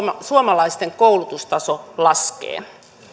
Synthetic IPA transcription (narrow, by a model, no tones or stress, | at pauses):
suomɑlɑist̪eŋkoulut̪ust̪ɑsolɑskḛː